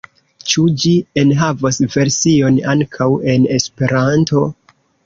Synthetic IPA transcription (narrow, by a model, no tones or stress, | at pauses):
t͡ʃud͡ʒienɦavasve̞ɾsio̞naŋkʰawe̞ne̞spe̞ɾanto̞